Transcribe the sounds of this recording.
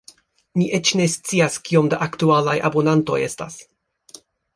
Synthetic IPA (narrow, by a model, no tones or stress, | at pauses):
niʔe̞t͡ʃne̞st͡siaskio̞mdaʔaktualajʔa̰bo̞nanto̞̰je̞sta̰s